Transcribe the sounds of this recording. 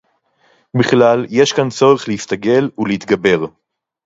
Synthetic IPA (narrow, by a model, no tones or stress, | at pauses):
biχlalje̞ʃkant͡so̞ʁeχlehist̪aɡe̞luleit̪ɡabe̞ʁ